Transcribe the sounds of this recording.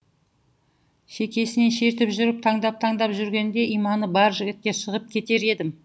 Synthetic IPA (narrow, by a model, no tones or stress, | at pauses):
ʃe̞kʲe̞sɪneʃe̞ɾt̪ɪpʒʏɾɪp̚t̪ʰɑɴd̪ɑp̚t̪ʰɑɴd̪ɑpʒʏɾɡʲe̞nd̪e̞ʔijmɑnəbɑɾʒɪɡʲɪt̪̚kʲe̞ʃəʁəp̚kʲʰe̞t̪e̞ɾe̞d̪ɪm